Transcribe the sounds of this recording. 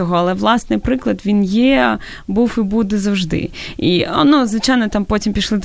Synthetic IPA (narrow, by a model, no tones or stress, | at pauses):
ɔɦɔɐlˠɛʋlˠɑsnɪjpɾɪklˠɐd̪ʋʲinjɛ | buwibud̪ɛzɐwʒd̪ɪ̰ḭnuzʋɪt͡ʃajnɔt̪ɑmpotʲimpʲiʃlˠɪd̪